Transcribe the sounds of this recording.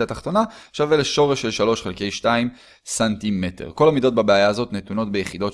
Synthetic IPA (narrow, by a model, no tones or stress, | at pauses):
ataχt̪o̞naʃaveleʃo̞ʁeʃːelʃalo̞ʃχelke̞jʃtaim | santime̞tḛʁko̞lamido̞t̚babeajaːzo̞tnetuno̞tbejeχido̞